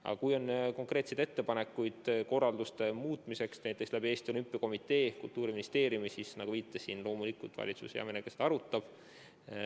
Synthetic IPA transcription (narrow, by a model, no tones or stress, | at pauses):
ɑ̰̥ɑkujo̞nko̞ŋkre̞ːt̪sejd̪e̞t̪ːe̞pɑne̞kːˑujd̪̥ko̞rːɑld̪ust̪e̞muːt̪ːˑmise̞ksnæjt̪ːˑe̞kslæbie̞ːst̪io̞lympːˑiɑko̞mit̪ːe̞ːkṵlt̪ːˑuːɾiminist̪e̞ːɾjumisisnɑɡ̥uviːt̪ˑːesiːnlo̞ːmulikult̪vɑ̰lʲit̪sṵsej̰ɑ̰minekest̪ɑɾut̪ːˑɑb̥